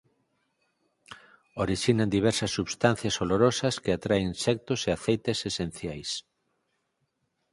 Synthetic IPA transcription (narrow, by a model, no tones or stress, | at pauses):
oɾiʃinand̪iβ̞ɛɾsɐsːuβst̪an̟θjɐsoloɾosɐskeat̪ɾaeisɛk̚t̪oseaθejt̪esesen̟θjajs